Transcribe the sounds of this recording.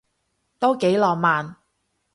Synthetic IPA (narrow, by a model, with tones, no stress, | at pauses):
t̪o˥wke˨˥jlɔː˨k̚maː˨n